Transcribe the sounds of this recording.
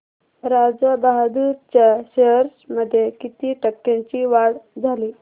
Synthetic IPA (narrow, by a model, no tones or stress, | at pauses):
ɾad͡zabaɦad̪uːɾt͡ɕjaɕeɦəɾsməd̪ʱːjekit̪iːʈəkːãɲt͡ɕiːʋaɽd͡zʱaliː